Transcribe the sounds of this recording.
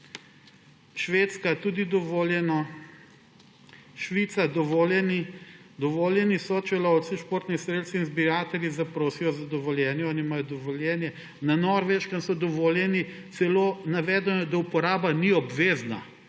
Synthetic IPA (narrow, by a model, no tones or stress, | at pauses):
ʃʋeːt̪skat̪ud̪id̪ɔʋoljɛnɔ | ʃʋit̪sad̪ɔʋolɛnid̪ɔʋoːljɛnisɔt͡ʃɛlɔwt̪siʃpoːɾt̪nixsɾeːd̪sinzbiɾaːt̪ɛɾjizapɾoːsijɔzad̪ɔʋɔljɛːnjɛɔːnimajɔd̪ɔʋɔljɛːnjɛ | nanɔɾʋeʃkansɔd̪ɔʋoːljɛni | t̪sɛloːnaʋɛːd̪ɛnɔd̪aupɔɾaːbaniɔbʋeːzna